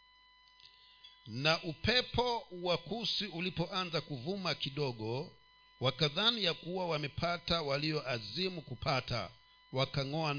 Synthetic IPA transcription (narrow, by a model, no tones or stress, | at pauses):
naʔupɛpɔwakusiulipɔʔanzakuvumakiɗɔɠɔ | wakaðanijakuwawamɛpʰatawaliɔʔazimukupata̰ | wakaŋɔa